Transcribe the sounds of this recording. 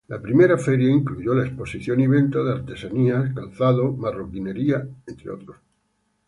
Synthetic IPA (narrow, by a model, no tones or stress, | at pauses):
lapɾime̞ɾafeɾjaiŋkluʝolaespo̞siθjoniβ̞ẽ̞nt̪aðeaɾt̪e̞saniakalθaðomarokine̞ɾiaent̪ɾeo̰t̪ɾos